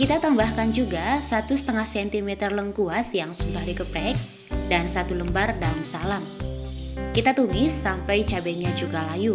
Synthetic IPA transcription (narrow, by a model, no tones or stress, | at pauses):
kit̪at̪ambahkand͡ʒuɡasat̪usə̥t̪əŋahsɛnt̪imɛt̪ərləŋkuasjaŋsudahdikəpɛk̚ | dansat̪uləmbardaumsalam | kit̪at̪unɪsːampajt͡ʃabɛɲad͡ʒuɡalaju